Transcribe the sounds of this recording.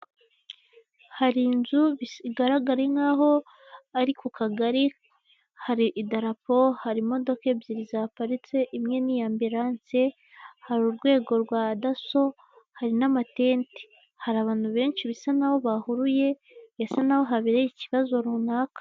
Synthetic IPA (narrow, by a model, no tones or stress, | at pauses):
haɾinzuβiɡaɾaɡaɾe̞ŋaːɦo̞ | aɾikukʰaɡaɾi | haɾiʔːdaɾapo̞haɾimo̞do̞ke̞bjiɾizapaɾit͡se̞ʔimŋe̞nijaːmbiɾaːnse̞ | haɾuɾɡwe̞ːɡo̞ɾɡwadaso̞ | haɾinamate̞ːnti̥ | haɾaːβaːn̥huβe̞ːnʃiβisanawo̞βahuɾuje̞ | βesanawo̞ɦaβiɾejiciβazo̞ɾunaːkḁ